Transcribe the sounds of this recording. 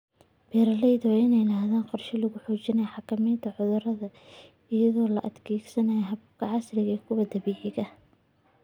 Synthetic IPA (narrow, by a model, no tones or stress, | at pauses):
b̥ɛːɾɐlɛjðɔɪnɛjlɐːɦðaːnqɔrʃɪlɐɣʊħɔːt͡ʃɪnɐjħɑkʰɐmiːnt̪ʰɐʕʊðʊrɐðɐ | ɪjɐðɔːlɐʔɐd̪kʰɛːɡsɐnɐjɦɐbkʰɐʕɑslɪɣɐkʰʊwɐd̪ɐβiːʕɪɣɐ